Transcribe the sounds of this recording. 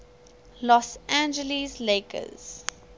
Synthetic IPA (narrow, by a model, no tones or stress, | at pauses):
lɔsæ̃nd͡ʒəlizleːkʰə̰z̥